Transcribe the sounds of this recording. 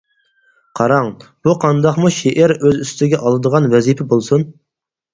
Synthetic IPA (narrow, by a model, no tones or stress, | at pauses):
qʰɑɾɑŋb̥uqʰɑnd̪ɑqmuʃeʔæɾøzyst̪ʰɪɡʲɛʔɑlˠɨd̪əʁɑnwɛzipʰɛbolˠsun